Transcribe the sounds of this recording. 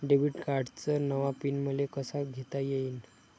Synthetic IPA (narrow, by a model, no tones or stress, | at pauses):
ɖeʋiʈkaɾɖt͡sənəʋapinməlekəsaɡʱet̪ajeiːn